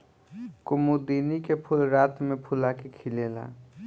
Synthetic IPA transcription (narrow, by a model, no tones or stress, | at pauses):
kʊmud̪iːnikepʰʊlɾaːt̪mẽpʰʊlakekʰɪleːla̰ː